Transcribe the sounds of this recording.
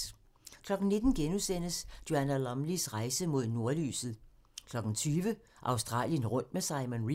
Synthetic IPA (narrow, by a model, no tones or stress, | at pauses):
kʰlɒ̽ɡ̥n̩ne̝d̥n̩ɡ̥enusen̰əsd̥jo̝ænælɒmlisʁɑ̈ɪsəmo̝ð̞̰ˠno̝ɐly̰ːsð̩ˠ | kʰlɒ̽ɡ̥n̩t͡sʰyːʋə | ʔɑ̈ʊsd̥ʁɑ̰̈ːljənʁɔ̽n̰d̥mesɑ̈ɪmonʁi